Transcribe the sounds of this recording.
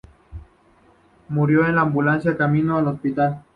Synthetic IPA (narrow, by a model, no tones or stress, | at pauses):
muɾjo̞enlaːmbulansjakamĩnoalospit̪al